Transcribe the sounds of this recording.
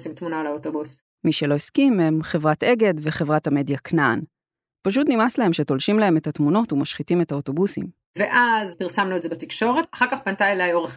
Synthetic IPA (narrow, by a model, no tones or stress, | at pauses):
simtmunalaotobus | miʃe̞lo̞eskime̞mχe̞vʁate̞ɡe̞dve̞χe̞vʁathame̞djaknan | paʃ̬utnimaslae̞mʃe̞to̞lʃimlae̞me̞tatmuno̞tumaʃχitime̞taoto̞busḭm | veʔazpiʁsamnuetzebatikʃo̞ʁetaχaʁkaχpantajlajoʁeχ